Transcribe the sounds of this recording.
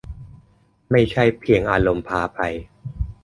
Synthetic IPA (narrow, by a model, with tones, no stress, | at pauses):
ma˥˩jt͡ɕʰa˥˩jpʰi˧əŋʔaː˧lo˧mpʰaː˧pʰa˧j